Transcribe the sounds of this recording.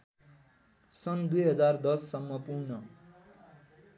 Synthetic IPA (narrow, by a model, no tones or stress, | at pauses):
sʌnd̪ujɦʌd͡zard̪ʌsːʌmːʌpurnʌ